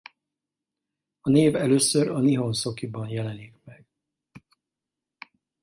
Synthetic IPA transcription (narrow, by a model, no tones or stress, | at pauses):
ɒneːvɛløːsøɾɒniɦo̞nso̞kibɒnjɛlɛnikmɛɡ̥